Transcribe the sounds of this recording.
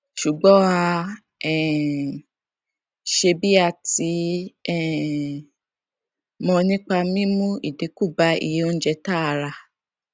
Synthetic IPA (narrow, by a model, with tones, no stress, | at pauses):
ʃu˨ɡ͡bɔ̃˨˦a˧ | ɛ˦˨ | ʃe˧bi˦a˧ti˨˧˦ɛ˦˨ | mɔ̃˧nĩ˦k͡pa˧mĩ˦mũ˦i˨de˨˦ku˦˨ba˧ḭ˨je˨˦o˦n̩˦d͡ʒɛ˧ta˦˧ɾa˧